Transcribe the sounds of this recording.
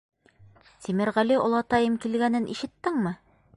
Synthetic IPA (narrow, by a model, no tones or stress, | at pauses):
simɘ̆ɾʁæliŏlˠɑt̪ɑjɤmkilɡænɘnʔḭʃɘ̆t̪ːɘŋmɘ